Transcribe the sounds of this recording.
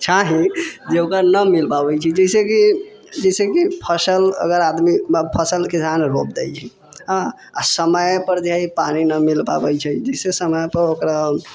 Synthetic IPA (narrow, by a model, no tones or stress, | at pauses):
t͡ʃʰaɦĩd͡ʒeokanəmilpabɛt͡ʃʰɛd͡ʒɛseki | d͡ʒɛɪsekipʰəsələ̰ɡəɾad̪miəpʰəsəlkisanɾopd̪ɛjt͡ʃʰɛ | ɦã | a̰səməjpəɾd̪ʱjaipaninəmilpa̰bɛjt͡ʃʰɛd͡ʒəɪsesəməjpəɾokɾa